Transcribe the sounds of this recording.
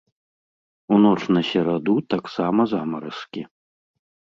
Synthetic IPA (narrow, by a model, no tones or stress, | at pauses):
unɔt͡ʂnɐsʲɛɾad̪ut̪aksamɐzamɐɾɐskʲi